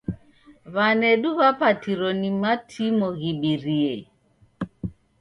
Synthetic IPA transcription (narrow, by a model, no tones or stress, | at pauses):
βanɛɗuβapatiɾɔnimatʰimɔɣiɓiɾiɛ